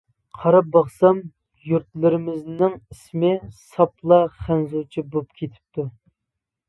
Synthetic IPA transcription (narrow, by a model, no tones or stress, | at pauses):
qʰɑɾɑp̚bɑχsɑm | juɾt̪̚lɪɾɪmɪznɪŋismɪsɑplˠɑχænzot͡ʃʰibopkʲʰet̪ʰɪ̥p̚t̪ʰu